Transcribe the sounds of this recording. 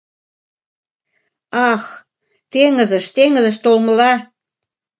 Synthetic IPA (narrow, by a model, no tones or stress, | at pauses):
ɑx | t̪eŋə̆zə̆ʃt̪eŋə̆zə̆ʃt̪olmə̆lɑ